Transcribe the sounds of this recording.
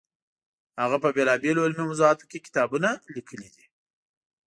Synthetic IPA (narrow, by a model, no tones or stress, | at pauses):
haɣapəbelɑbeloɪlmimʊzuɑt̪o̥kekɪ̥t̪ɑbunalikʰəlid̪i